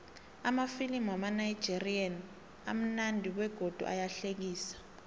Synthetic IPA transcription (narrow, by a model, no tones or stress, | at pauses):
amafilimwamanaji̥ʒ̥ʱirian | a̰m̩nandʱiwɛɡ̥ʱod̥ʱṵʔa̰jaɬek̬iːsḁ